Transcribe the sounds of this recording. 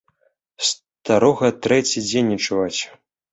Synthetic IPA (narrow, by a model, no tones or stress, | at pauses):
s | t̪aɾɔɣɐt̪ɾɛt͡sʲid͡zʲenʲːit͡ʂuvat͡sʲ